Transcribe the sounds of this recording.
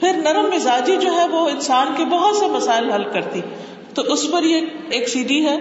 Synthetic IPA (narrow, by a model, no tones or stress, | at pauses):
pʰɪɾnɐɾəmːɪzaːd͡ʒid͡ʒoːɦɛʋoɪ̃nsaːnkebɐɦʊt̪semɐsaːɪlɦɐlkɐɾt̪i | t̪oʔʊspɐɾjeeːksiːɖiɦɛː